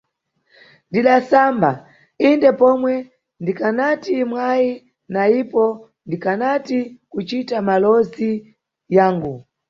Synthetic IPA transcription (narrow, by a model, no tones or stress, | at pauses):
ndiɗasamba | indɛpɔmwɛ | ndikanatimwaji | naipɔ | ndikanatikut͡ʃitamalɔzi | jaːŋɡu